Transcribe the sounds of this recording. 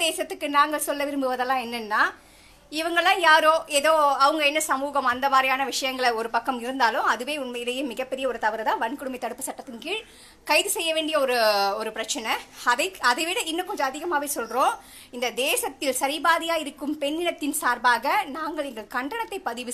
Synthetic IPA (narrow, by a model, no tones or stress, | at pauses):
d̪eːsɐt̪ːɯkːɯnaːŋɡɐɭsɔlːɐʋɪɾɯmbɯʋɐðɐlːãːɛnːɛnːaː | ɪʋɐŋɡɐɭãːjaːɾoːeːðoːɐʋɐŋɡɐɛnːɐsɐmuːɣɐmɐnd̪ɐʋaːɾɐjaːnɐʋɪʂɐjɐŋɡɐɭɔɾɯpɐkːɐmɪɾɯnd̪aːlɯmɐðɯʋeːʊnmɐjɪlɐjeːmɪɣɐpːɛɾɪjɐɔɾɯt̪ɐʋɐɾɐðãːʋɐnkɯɽɯmɐɪt̪ɐɽɯpːɯsɐʈːɐt̪ːɯnkiːɭ | kɐɪðɯsɛjːɐʋeːɳɖɪjɐɔɾɯɔɾɯpɪɾɐt͡ʃːɐnɐɐðɐɪɐðɐɪʋɪɽɐɪnːɐkɔɲd͡ʒõɐðɪɣɐmaːʋeːsɔlrõː | ɪnd̪ɐd̪eːsɐt̪ːɪlsɐɾɪbaːðɪjaːjɪɾɯkːɯmpɛnːɪnɐt̪ːɪnsaːɾbaːɣɐnaːŋɡɐɭɪnd̪ɐkɐɳɖɐɳɐt̪ːɐɪpɐðɪʋɯ